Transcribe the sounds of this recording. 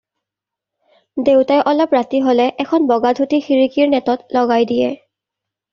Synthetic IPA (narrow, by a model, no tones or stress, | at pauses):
dewtajʔɔlɔpɹatiɦolɛʔɛkʰɔnbɔɡadʱutixiɹikiɹnɛtɔtlɔɡajdijɛ